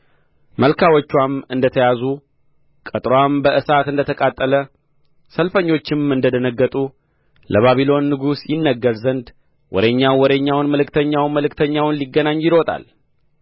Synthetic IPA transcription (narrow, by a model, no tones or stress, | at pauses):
məlkʰawɔt͡ʃːwamɨnd̪ət̪ʰəjazu | kʼət̪ʼɾoambəʔɨsat̪ɨnd̪ət̪ʰəkʼat̪ʼːələ | səlfəɲːo̞t͡ʃːɪmɨnd̪əd̪ənəɡːət̪ʼu | ləβaβilo̞nːɨɡusjɪnːəɡːəɾzənd̪ | wʔɔ̰ɾeɲːawwɔd̪əɲːawnməlɨkt̪ʰəɲːawnməlɨkt̪ʰəɲːawnliɡːənaɲːjɪɾot̪ʼa̰l